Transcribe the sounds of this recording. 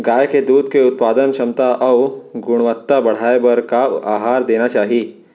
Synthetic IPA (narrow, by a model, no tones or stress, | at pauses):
ɡaːjked̪uːd̪keʊt̪̚paːd̪ənʃɐmt̪aʔɐʋɡʊɽ̃ʋət̪ːabɐɽ̤aːebɐɾkaaːɦaːɾd̪eːnat͡ʃaːɦiː